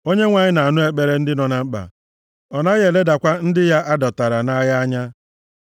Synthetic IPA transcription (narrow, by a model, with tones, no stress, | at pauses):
o˦ɲe˦ŋʷa˨ɲɪ˦na˨a˨nʊ˦e˨k͡pe˨ɾe˦n̩˦dɪ˦nɔ˨na˦k͡pa̰˨ | ɔ˨na˦ɣe˨le˦da˨kʷa˦n̩˦dɪ˦ja˦ʔa˦dɔ˨ta˨ɾa˨na˦ja˦ɲa˦